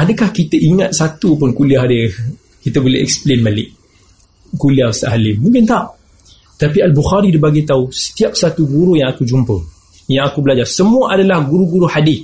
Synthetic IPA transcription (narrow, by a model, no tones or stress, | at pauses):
adəkahkit̪əʔiŋat̪̚sat̪upʊnkuliaɦdə | kit̪əbolɛ̰hɛ̰ksə̥plenbalɪʔ | kuliawsəʔalimũŋkɪnt̪aʔ | t̪apialbuxaɾidibaɡat̪ausə̥t̪iap̚sat̪uɡuɾujãŋakud͡ʒumpə | jaŋakubəlad͡ʒarsəmuəʔadalahɡuɾuɡuɾuhadɪθ